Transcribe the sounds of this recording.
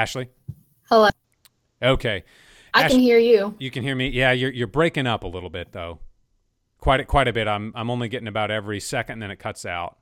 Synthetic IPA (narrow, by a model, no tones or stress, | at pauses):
æʃl̩ˠi | həlo | oʊkʰeɪ | aɪænhiɹjʉjɨkɨ̃nhiɹmijæjə˞jə˞bɹeɪkɪ̃ŋʌpəlɪɾl̩ˠbɪt̪̚ðoʊ | kʰw̥aɪɾɨkʰw̥aɪɾɨbɪɾãɪ̃mãɪ̃mõʊ̃nliɡɛɾɪ̃ŋɨbaʊɾɛvɹisɛkɨ̃nðɨ̃ñɨt̚kʰʌtsa̰ʊt̚